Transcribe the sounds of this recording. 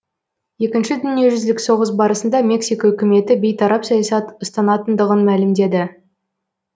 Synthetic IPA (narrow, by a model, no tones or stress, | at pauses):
je̞kʲɪnʃɪd̪ʏnije̞ʒʏzd̪ɪkso̞ʁəs̬bɑɾəsənd̪ɑmʲe̞ksijkɑɵkʲɪme̞t̪ɪbejt̪ʰɑɾɑpsɑjɑsɑt̪əst̪ɑnɑt̪ənd̪əʁənmælɪmd̪e̞d̪ɪ